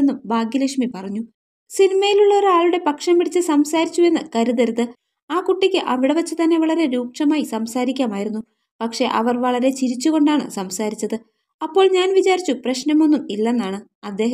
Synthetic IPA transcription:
nːumbaːɡjɐliʂmipɐrɐɲːu | sinimɐjiluɭːɐoɾuaːɭuɽe̞pɐkʂɐmpiɽit͡ɕːɨsɐmsaːɾit͡ɕːue̞nːɨkɐɾuðɐɾðɨ | aːkuʈːikʲːɨʔɐʋiɽɐʋɐt͡ɕːɨt̪ɐnːe̞ʋɐɭɐɾe̞ɾuːkʂɐmaːjisɐmsaːɾikʲːaːmaːjiɾunːu | pɐkʂe̞ʔɐʋɐrʋɐɭɐɾe̞t͡ɕiɾit͡ɕːuɣo̞ɳɖaːɳɨ̰sɐmsaːɾit͡ɕːɐðɨ | ɐpːo̞ːɭɲaːnʋit͡ɕaːɾit͡ɕːuprɐɕnɐmo̞nːumilːenːaːɳɨ | ɐd̪ːe̞ːɦ

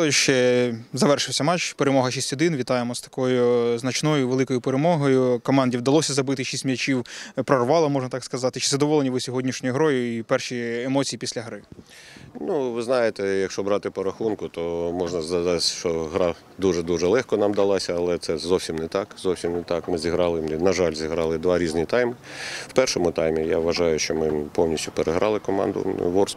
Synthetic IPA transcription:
ɔʃt͡ʃɛzɐʋɛrʃɪwsʲɐmɑt͡ʃpeɾemɔɦɐʃisʲtʲhɔd̪ɪnʋʲit̪ɑjemɔst̪ɐ̥kɔjʊznɐt͡ʃnɔjʊʋelˠɪkɔjʊpeɾemɔɦɔjʊkɔmɑnʲdʲiwd̪ɐlˠɔsʲɐzɐbɪt̪ɪʃisʲtʲmʲɐt͡ʃiwpɾɔrʋɑlˠɐmɔʒnɐt̪ɑkskɐzɑt̪ɪt͡ʃɪ̥sɛd̪ɔʋɔlˠenʲiʋɪsʲɔɦɔdʲnʲiʃnʲɔjʊɦɾɔjʊipɛrʃiemɔt͡sʲijipʲisʲlʲɐɦɾɪ | nuʋɪznɑjet̪ɛjɐkʃt͡ʃɔbɾɑt̪ɪpɔɾɐxunkʊt̪ɔmɔʒnɐzɐzɑsʲʃt͡ʃɔɦɾɑ | d̪uʒɛd̪uʒɛlˠɛxkɔnɑmd̪ɐlˠasʲɐɐlˠɛt̪sɛzɔwsʲimnɛt̪ɑkzɔwsʲimnɛt̪ɑkmɪzʲiɦɾɑlˠɪnɐʒɑlʲzʲiɦɾɑlˠɪd̪ʋɑɾʲizʲnʲit̪ɑjmɪw̥pɛrʃɔmʊt̪ɑjmʲijaʋʋɐʒɑjʊʃt͡ʃɔmɪpɔwnʲisʲtʲʊpeɾeɦɾʔɑlˠɪkɔmɑ̰nd̪ʊ̰ʋɔrs

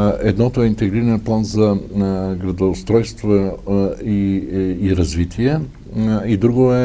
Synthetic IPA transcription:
ɛd̪nɔt̪oɛint̪ɛɡɾiɾɛnplˠanzɐɡɾɐd̪ost̪ɾɔjst̪vo | iiɾɐzvit̪ʰiɛ | id̪ɾuɡoɛ

